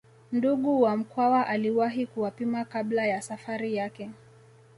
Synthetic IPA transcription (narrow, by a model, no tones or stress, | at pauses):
nduɠuwam̩kwawaʔaliwaɦikuwapimakablajasafaɾijakɛ